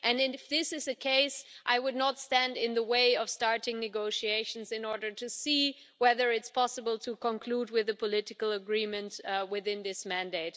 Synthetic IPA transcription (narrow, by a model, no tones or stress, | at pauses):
ʔɨ̃nɪ̃fðɪsɨzɨkʰeɪsʔaɪwʊdⁿnətstæ̃ndɪ̃nðəweɪʌv̥stɑɹtɪ̃ŋnɨɡoʊʃieɪʃn̩zɨ̃nɔɹɾə˞tʰɨsi | wɛðə˞ɨtspʰɑsəbəl̩ˠtʰɨkʰə̃nkʰl̥ud̚wɪðɨpʰəlɪɾɨkl̩ˠəɡɹĩmɨ̃ntwɪðɪ̃nðɪsmæ̃ndeɪt